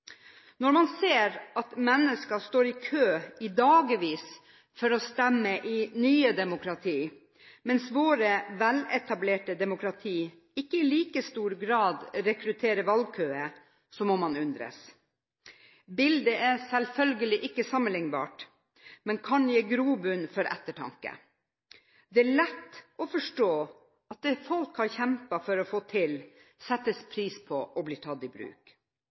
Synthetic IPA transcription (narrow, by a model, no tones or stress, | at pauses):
nɔɾmɑnseːɾɑt̪mɛnːəskɑst̪oːɾɪkʰøːɪd̪ɑːɡəʋiːs | fɔɾɔst̪ɛmːəʔɪnyːəd̪ɛmʊkɾɑt̪ʰiː | mɛnsʋoːɾəʋɛlɛt̪ɑbleːʈəd̪ɛmʊkɾɑt̪ʰiː | ɪkːəɪliːkəst̪uːɾɡɾɑːd̪ɾɛkɾʉt̪ʰeːɾəʋɑlɡ̚kʰøːə | sɔmɔmɑnʉnd̪ɾə̰s | bɪld̪əɛɾsɛlfœlɡəlɪʔɪkːəsɑmənɪŋbɑ̰ːʈ | mɛnkʰɑnjeːɡɾuːbʉnfɔɾʔɛ̰t̪ːəʈʰɑ̰ŋkə̰ | d̪ɛæɭɛt̪ːɔfɔʂʈoː | ɑt̪̚d̪ɛːfɔlkhɑɾçɛmpɑfɔɾɔfoːt̪ʰɪl | sɛt̪ːəspʰɾiːspʰɔʔɔbliːʈʰɑd̪ɪbɾʉ̰ːk